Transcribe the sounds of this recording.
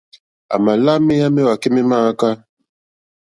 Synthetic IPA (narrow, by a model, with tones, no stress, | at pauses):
a̰˨ma˨la˦me˦ja˦me˦wa˨ke˦me˦ma˦ka˦